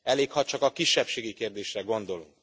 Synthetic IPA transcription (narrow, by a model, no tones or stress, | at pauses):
ɛleːkhɒt͡ʃɒkɒkiʃːɛpʃeːɡikeːrd̪eːʃrɛɡo̞nd̪o̞lṵŋk